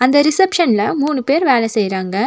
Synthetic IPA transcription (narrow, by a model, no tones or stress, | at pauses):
ɐnd̪ɐɾisɐpʂɐnlɐmuːɳɯpeːɾʋeːlɐsejɾaːŋɡɐ